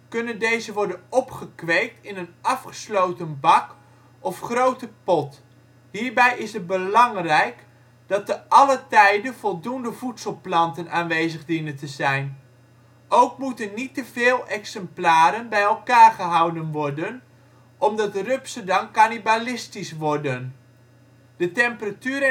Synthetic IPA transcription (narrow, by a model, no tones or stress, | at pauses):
kɵnəndejzəʋɔɹdənɔpχəkʋejk̚tɪnənɑfχə̥slowtənbɑk | ɔfχrowtəpɔt | ɦiːɹbɛjʔɪsət̚bəlɑŋrɛjk | d̥ɑt̚əʔɑlətɛjdənv̥ɔlˠdundəvutsəlˠplɑntənaːnʋejzəχdinəntəzɛjn | owk̚mutənitəvɪːlˠɛksɛmplaːɾənbɛjɛlˠkaːrχəɦɑwdənʋɔrdən | ʔɔmdɑtərøpsədɑmkanibalɪstisʋɔrdən | d̥ətɛmpəratyːɾ